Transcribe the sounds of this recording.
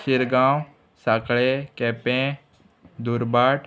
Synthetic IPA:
ʃɪɾɡãːw | saːkɭekɛːpẽ | d̪uɾbaːʈ

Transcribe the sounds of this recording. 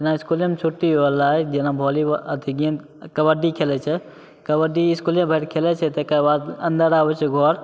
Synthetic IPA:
enaiskulẽmt͡ʃʰuʈːioəlaɛd͡ʒenabʱɔliəd̪ʱiɡijən | kəbəɖikʰelɛt͡ʃʰɛ | kəbəɖiːskuljẽbʱəɪɾkʰelɛt͡ʃʰɛt̪əkaibad̪ə̃nd̪əɾabɛt͡ʃʰɛɡʱɔɾ

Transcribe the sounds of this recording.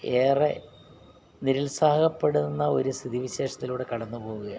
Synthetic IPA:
e̞ːre | niɾulsaːɦɐɣɐpːe̞ɽunːɐo̞ɾust̪ʰiðiʋiɕe̞ːʂɐt̪ːiluːɽe̞kɐɽɐnːupo̞ːɣuɣɐj

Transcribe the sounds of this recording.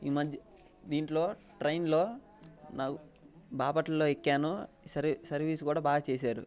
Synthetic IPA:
iːmɐd̪ʱjɐ | d̪iːɳʈlo̞ːʈɾɐjnlo̞ː | naːkubaːpɐʈlɐloːekːaːnu | sɐɾsɐɾʋiːsukuːɽaːbaːɡɐt͡ʃeːs̬aːɾṵ

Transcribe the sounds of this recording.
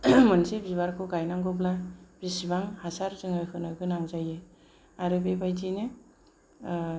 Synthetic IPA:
mɯnsebiβaɾkʰoɡajnaŋɡɔblab̥isibaŋhasaɾzɯŋakʰɯnɯɡɯnaŋzaje | aɾɯbebajtine

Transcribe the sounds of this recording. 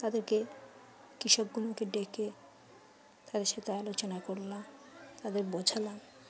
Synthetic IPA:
t̪ad̪eɾke | kiʃɔb̚ɡuloked̪ekʰe | t̪ad̪eɾʃet̪aalot͡ɕonakoɾlat̪ad̪eɾbod͡ʑʱalan

